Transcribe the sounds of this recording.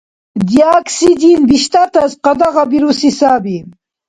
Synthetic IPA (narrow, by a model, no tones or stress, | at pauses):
d̪jaːksid̪inbiʃt̪at̪ɐzqɐd̪aʁabiɾusisaːbi